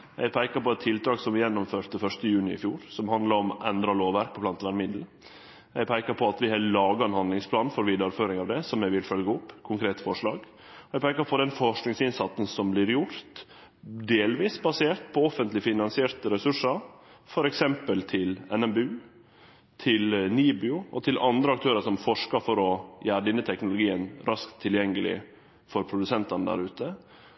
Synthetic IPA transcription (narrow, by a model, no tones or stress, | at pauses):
jæ̰ɪpʰæɪkəɾpɔɛt̪ʰːɪlt̪ʰɾɑːɡsɔmʋɪjɛnːɔmføːɾt̪əfœʂt̪əjʉːnɪɪ̰fjuːɾsɔmhɑnd̪lɑɾɔmʔɛnd̪ɾɑloːʋʋæɾk̚pʰɔpʰlɑnt̪ʋæɾmɪd̪l̩ | jɛɪpʰæɪkəɾpʰɔɑt̪ʋɪhɑlɑːɡɑɛnhɑnd̪lɪŋspʰlɑːnfɔɾʋiːd̪ɑɾføːɾɪŋɑʋd̪ɛsɔmjæɪʋɪlfœlɡəʊpːkʰʊŋkʰɾeːt̪fɔʂɭɑːɡ | jɛɪpʰæɪkəɾpʰɔd̪ɛnfɔʂknɪŋsɪnsɑt̪sn̩sɔmblɪɾjʊɾt̪ | d̪eːlʋiːsbɑseːɾt̪̚pʰɔɔfənt̪lɪfɪnɑnsɪeːɾt̪əɾɛsʉʂəɾfɔɾɛksɛmpəlt̪ʰɪlɛnɛmbʉː | t̪ʰɪlniːbʏʊɔt̪ʰɪlʔɑnd̪ɾəɑk̚t̪ʰøːɾəʂɔmfɔʂkəɾfɔɾɔjæːɾɖɪnːət̪ʰɛknʊlʊɡiːənɾʔɑskt̪ʰːɪljɛŋːəlɪ̰ | fɔɾpʰɾʊd̪ʉsɛnt̪ɑnəd̪æ̰ɾʉːt̪ə